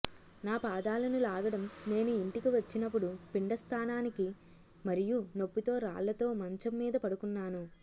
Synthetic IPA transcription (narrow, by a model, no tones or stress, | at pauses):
naːpaːd̪aːlɐnilaːɡɐɽɐmne̞ːnuiɳʈikiʋɐt͡ʃːinɐpːuɽupiɳɖɐst̪ʰaːnaːniki | mɐɾijuno̞pːit̪o̞ːɾa̰ːɭːɐt̪o̞ːmɐɲt͡ʃɐmːiːd̪ɐpɐɽukunːaːnu